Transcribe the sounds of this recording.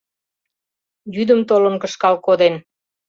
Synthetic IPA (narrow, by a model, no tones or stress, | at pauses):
jyd̪əmt̪oləmkə̆ʃkɑlkod̪en